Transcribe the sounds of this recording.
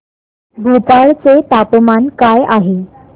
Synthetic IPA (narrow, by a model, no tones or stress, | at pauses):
ɡʱut̪aɭt͡set̪apmankajaɦe